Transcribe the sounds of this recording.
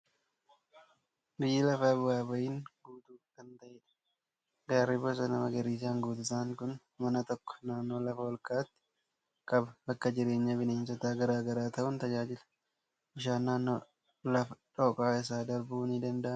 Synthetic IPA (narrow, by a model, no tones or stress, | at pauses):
bɪjːɪlɐfɐbwaːbɐʔiːŋɡuːt̪uːkɐnt̪ɐʔeːᶑɐ̥ | ɡaːɾɪbɔs̬ɐnɐmɐɡɐɾiːs̬aːŋɡuːt̪ɪsaːŋkʊn | mɐnɐt̪ɔkːɔ̥naːnːoːlɐfɐwɔlkʼɐʔɐt̪ːɪ̥ | kʼɐbbɐkːɐd͡ʒɪɾe̞ːɲːɐbɪneːnsɔt̪aːɡɐɾaːɡɐɾaːt̪ɐʔʊnt̪ɐd͡ʒaːd͡ʒɪlɐ̥ | ʔɪʃaːnːaːnːo̰ː | lɐfɐᶑɔːkʼaːɪs̬aːd̪ɐɾbuːnid̪ɐnd̪ɐʔɐn